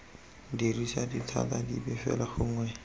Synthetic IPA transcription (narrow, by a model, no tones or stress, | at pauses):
dirisaditʰa̰tadibɛfɛ̰laχʊŋwɛ